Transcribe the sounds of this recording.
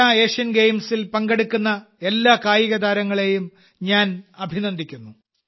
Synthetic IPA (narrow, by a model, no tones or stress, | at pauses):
aeːʂɐnɡejmsilpɐŋɡeɽukːunːɐe̞lːaːkaːjiɣɐd̪aːɾɐŋːɐɭe̞jum | ɲaːnɐbʱinɐnd̪ʱikʲːunːu